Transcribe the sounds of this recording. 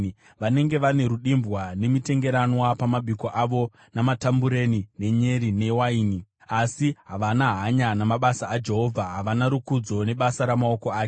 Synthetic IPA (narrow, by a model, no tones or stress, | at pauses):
ʋane̞ŋɡe̞ʋane̞ɾuɗimbɣwane̞mite̞ŋɡe̞ɾanwapamaɓikoʔaʋo̞ | namatambuɾe̞nine̞ɲe̞ɾine̞waiːni | asiɦaʋanaɦaɲanamaɓasaːd͡ʒe̞ɦo̞vʱaɦaʋanaɾukud͡zo̞ne̞ɓasaɾamao̞koaːke